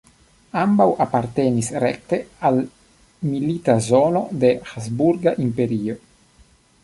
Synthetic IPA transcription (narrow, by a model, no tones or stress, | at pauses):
ambawʔapaɾt̪enisɾḛk̚t̪eal | militazo̞no̞de̞hazbuɾɡaʔimpe̞ɾio̞